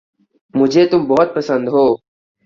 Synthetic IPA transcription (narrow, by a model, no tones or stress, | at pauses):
mʊd͡ʒʱeːt̪ʊmbɔɦʊt̪̚pɐsə̃nd̪ɦoː